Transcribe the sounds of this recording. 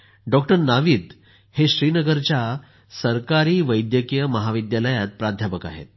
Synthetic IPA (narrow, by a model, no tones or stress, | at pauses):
ɖɔk̚ʈəɾnaʋiːt̪ | heɕɾiːnəɡəɾt͡ɕja | səɾkaɾiːʋəjd̪jəkijəməɦaʋid̪jaləjat̪̚pɾad̪ʱjapəka̰ɦḛt̪̚